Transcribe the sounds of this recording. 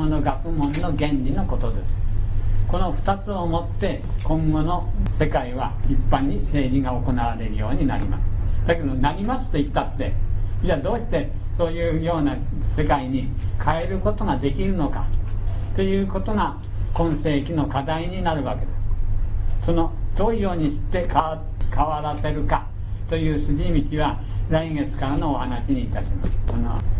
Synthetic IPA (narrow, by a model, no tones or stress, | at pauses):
ono̞ɡakɯ̟mõ̞nːo̞ɡẽ̞nɾʲino̞ko̞t̪o̞d̪e̞sɨ̥ko̞no̞ɸɯ̟̥t̪at͡sɨo̞mo̞t̪ːe̞ | kõ̞ŋɡo̞no̞se̞kaiβ̞aipːãɲ̟ːise̞ːɾʲiɡaoko̞naβaɾe̞ɾɯ̟jo̞̰ːɲ̟ina̰ɾʲima̰sɨ̥d̪̥ake̞d̪o̞naɾʲimasɨ̥t̪o̞it̪ːat̪ːe̞d͡ʑad̪o̞ːɕi̥t̪e̞ | so̞ːjɯ̟ːjo̞ːnase̞kaiɲ̟ikʰae̞ɾɯ̟ko̞t̪o̞ɡad̪e̞kʲiɾɯ̟no̞ka̰t̪o̞jɯ̟ːko̞t̪o̞ŋa | kõ̞ɰ̃se̞ːkʲino̞kad̪aiɲ̟inaɾɯ̟βake̞d̪a | so̞no̞d̪̥o̞ːijo̞ːɲ̟iɕi̥t̪ːe̞ka | kaβaɾase̞ɾɯ̟ka | t̪o̞jɯ̟ːsɨʑimʲit͡ɕiβa | ɾaiŋe̞t͡sɨ̥kaɾano̞ːhanaɕiɲ̟iːt̪aɕimasɨ̥ano̰